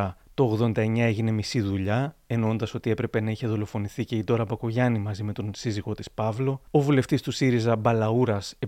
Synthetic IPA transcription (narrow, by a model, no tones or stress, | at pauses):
ɐt̪o̞ːɣðo̞nd̪ɐe̞ɲɐe̞ʝine̞misiðuʎɐe̞nond̪ɐso̞t̪ie̞pɾe̞pe̞nɐiçe̞ðo̞lo̞fo̞niθice̞id̪o̞ɾɐbɐko̞ʝɐnimɐzime̞t̪onsiziɣo̞t̪i̥spɐvlo̞ovule̞ft̪ist̪usiɾizɐbɐlɐuɾɐse